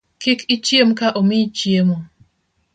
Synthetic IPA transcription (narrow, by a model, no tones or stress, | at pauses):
kɪkɪt͡ʃjemkaʔomit͡ʃjemo